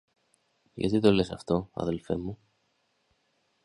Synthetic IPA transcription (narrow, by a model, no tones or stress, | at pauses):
ʝɐ̰t̪it̪o̞le̞sɐft̪o̞ɐ̰ðe̞lfe̞̰mu